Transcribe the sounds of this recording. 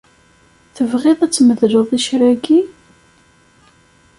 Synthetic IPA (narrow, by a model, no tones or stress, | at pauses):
θəvʁeðˤæt͡sːməðlʊðˤiʃɾæɡi